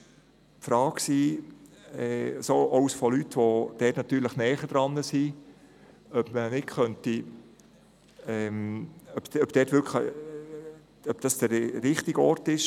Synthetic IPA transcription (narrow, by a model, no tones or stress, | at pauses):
pfɾɑːksiː | ɛsoʔɔwsfolytːʋod̥ɛtnɑt̪yːɾləχnɛːχəd̥ɾɑnːəsi | œpmənɪtχœnti | ɛmœpœbd̥ɛːtʋʏɾkχlə | œpd̥ɑsd̥əɾːɪχtiɡɔɾtɪʃ